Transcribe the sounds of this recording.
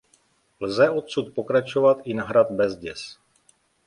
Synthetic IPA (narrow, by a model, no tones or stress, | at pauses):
lzɛʔo̞t̪sut̪̚po̞kɾat͡ʃo̞vat̪ʔɪnaɦɾat̪bɛzɟɛs